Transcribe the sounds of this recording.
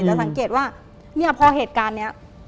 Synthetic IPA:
ɛ˧˩sa˩˦ŋkeː˨˩t̪̚waː˥˩ | mi˥˩ɐpʰɔː˧ɦeː˨˩t̪̚kaː˧nːi˦˥ɐ

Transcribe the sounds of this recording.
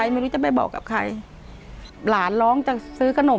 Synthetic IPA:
a˧jma˧˩jɾuː˦˥t͡ɕa˨˩pa˧jbɔ̰ː˨˩kːa̰˨˩p̚kʰa˧j | laː˩˦nlɔː˦˥ŋt͡ɕa˨˩sɯː˦˥kʰa˧no˨˩˦

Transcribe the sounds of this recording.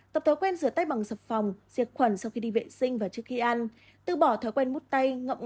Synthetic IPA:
t̪ə˨˩p̚t̪ʰə˨˦jkwɛ˧nzɨ˧˩ət̪a˧˥j̚ɓa˨˩ŋsə˨˩p̚fa˨˩wŋ͡mz̥i˨˩ət̚xwə˧˩nsa˧wxi˧ɗi˧vḛ˧˨sï˧ŋ̟vaː˨˩t͡ɕɨ˦˥ək̚hi˧ʔa˧n | t̪ɨ̰˧˨ɓɔ˧˩t̪ʰɔː˨˦jkwɛ˧nmu˦˥t̚t̪a˧jŋə̰˧˨wŋ͡m

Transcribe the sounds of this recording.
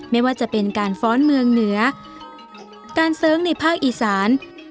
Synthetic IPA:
ma˥˩jwaː˥˩t͡ɕa˨˩pe˧nkaː˧nfɔː˦˥nmɯ˧əŋnɯ˩˦ɐ | kaː˧nsɤː˦˥ŋna˧jpʰaː˥˩k̚ʔiː˧˩saː˩˦n

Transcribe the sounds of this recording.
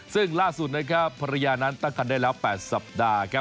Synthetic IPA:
sɯ˥˩ŋlaː˥˩su˨˩t̪̚na˥kʰa˦˥pʰːa˧ɾa˧jaː˧na˦˥nt̪a˥˩ŋka˧ndaː˥˩jlɛː˦˥˩wpɛː˨˩t̪̚sa˨˩p̚daː˧kʰa˦˥

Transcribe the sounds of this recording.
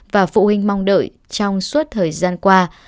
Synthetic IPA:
vaː˨˩fṵ˧˨hï˧ŋ̟ma˧wŋ͡mɗə̰ː˧˨j | t͡ɕɔ˧wŋ͡msu˦˥t̚t̪ʰəː˨˩jzaː˧nkwaː˧

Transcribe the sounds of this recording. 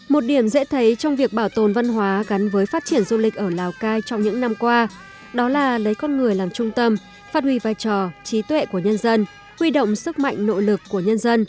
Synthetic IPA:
mo˨˩t̚ɗi˧˩əmzɛ̰˧˥t̪ʰə˨˦jt͡ɕɔ˧wŋ͡mvi˨˩ək̚ɓaː˧˩wt̪o˨˩nva˧nɦwaː˨˦ɣa˨˦nvəː˨˦jfaː˦˥t̚t͡ɕi˧˩ənzu˧lï˨˩k̟̚ʔəː˧˩laː˨˩wkaː˧jt͡ɕɔ˧wŋ͡mɲɨ̰˧˥ŋna˧mkwaː˧ | ɗɔ˨˦laː˨˩lə˨˦jkɔ˧nŋɨ˨˩əjlaː˨˩mt͡ɕʊ˧ŋ͡mt̪ə˧m | faː˦˥t̚hwi˧˩vaː˧˩jt͡ɕɔ˨˩t͡ɕi˨˦t̪wɛ̰˧˨ku˧˩əɲə˧nzə˧n | hwi˧ɗo̰˧˨wŋ͡msɨ˦˥k̚ma̰˧˨jŋ̟no̰˧˨lɨ˨˩kːu˧˩əɲə˧nzə˧n

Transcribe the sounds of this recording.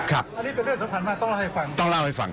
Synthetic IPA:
kʰa˦˥p̚a˧niː˦˥pe˧nlɯ˥˩ŋso˨˦mpʰaː˧˩nmaː˧˩t̪ɔ˥˩ŋla˥˧˩ha˥˩fa˧ŋt̪ɔ˥˩ŋla˥˩wha˥˩jfa̰˧ŋ

